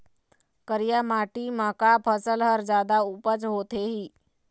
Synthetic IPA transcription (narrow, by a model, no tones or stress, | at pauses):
kəɾjamaʈiːməkapʰəsəlɦəɾd͡zad̪aupət͡sɦot̪ʰeɦiː